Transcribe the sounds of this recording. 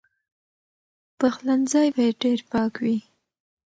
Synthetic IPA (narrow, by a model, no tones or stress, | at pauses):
paxlanzɑjbajeɖeɾpɑkwi